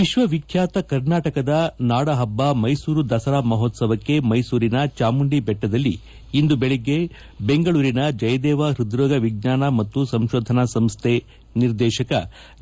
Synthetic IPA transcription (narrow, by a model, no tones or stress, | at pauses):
ʋiʃʋɐʋikʰjaːt̪ɐkɐɾnaːʈɐkɐd̪ɐnaːɽɐɦɐbːɐmɐjsuːɾud̪ɐsɐɾaːmɐɦoːt̪sɐʋɐkːe̞mɐjsuːɾinɐt͡ʃaːmuɳɖibɛʈːɐd̪ɐlːiː | nd̪ubeɭeɡːe̞ | be̞ŋɡɐɭuːɾinɐd͡ʒɐjɐd̪ɛːʋɐɾud̪ɾɔːɡɐʋiɡ̚ɲaːnɐmɐt̪ːusɐmʃoːd̪ʱɐnɐsɐmst̪ʰe | niɾd̪ɛːʃɐkɐ